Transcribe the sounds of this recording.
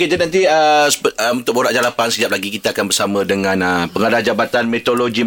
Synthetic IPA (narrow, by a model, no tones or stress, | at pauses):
ked͡ʒanãnt̪̬iəsə̥pəəmunt̪ʊk̚boɾaʔd͡ʒalapansəd͡ʒap̚laɡikit̪aːkanbərsamãdəŋãnəpəŋadahd͡ʒabat̪anmet̪oloɡi